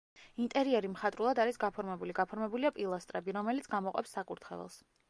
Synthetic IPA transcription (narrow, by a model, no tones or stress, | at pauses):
int̪ʼɛɾiɛɾimχat̪ʼɾulˠad̪aɾisɡapʰɔɾmɛbuliɡapʰɔɾmɛbuliapʼilˠast̪ʼɾɛbiɾɔmɛlit̪sʰɡamɔqʼɛ̰psːakʼuɾt̪ʰχɛ̰lɛ̰lˠs